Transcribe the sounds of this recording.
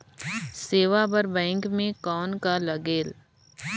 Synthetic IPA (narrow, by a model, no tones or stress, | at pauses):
seːʋabəɾbɛ̃ːŋkmẽkɔːnkalɐɡeːl